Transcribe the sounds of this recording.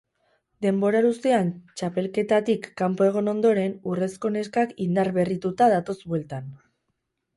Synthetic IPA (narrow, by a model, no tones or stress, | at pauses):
d̪e̞mbo̞ɾaɾust̪e̞ant͡ʃape̞lke̞t̪at̪ikːampo̞e̞ɣ̞o̞no̞nd̪o̞ɾe̞nure̞sko̞ne̞skakind̪aɾβe̞rit̪ut̪aðat̪o̞zbwe̞lt̪an